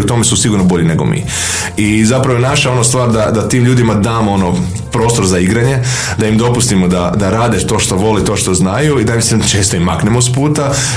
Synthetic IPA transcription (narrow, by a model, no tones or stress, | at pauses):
ut̪o̞mesusiɡuɾnobo̞ʎine̞ɡo̞̰mḭː | izapɾaʋojenaʃao̞nost̪ʋaːɾd̪ad̪at̪iːmʎuːd̪imad̪aːmoono | pɾo̞ːst̪o̞ɾzaiɡɾaɲe̞ | d̪aimd̪o̞pust̪imod̪ad̪aɾaːd̪et̪o̞ːʃt̪o̞ʋo̞lit̪o̞ːʃt̪o̞znajuid̪amisimt͡ʃeːst̪oimːaknemospuːt̪a